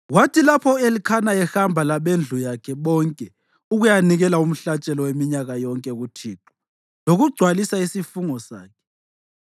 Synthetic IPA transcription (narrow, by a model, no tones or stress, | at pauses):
ɣwatʰilapʰɔelikʰanaɛxambʱalaβend͡ɮʱujakʰɛβɔŋkʼɛ | uɣujaniɣɛlaum̩ɬat͡ʃʼɛlɔwemiɲaɣajɔŋkʼɛɣutʰiːǁɔ̥ | loɣuɡ͡ǀʱwalisaisifuŋɔsa̰ːkʰɛ̥